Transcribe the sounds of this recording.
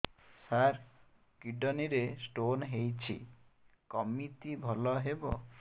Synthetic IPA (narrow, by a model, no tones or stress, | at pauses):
saɾ | kiɖɔniɾesʈonɦejt͡ʃʰḭ | kɔmit̪ibʱɔlɔɦebɔ